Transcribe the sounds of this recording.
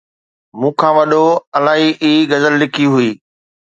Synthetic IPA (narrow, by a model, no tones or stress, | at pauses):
mũːkʰãːʋɐɗoɐlaːɦiʔiːɡɐzəlːɪkʰiɦʊiː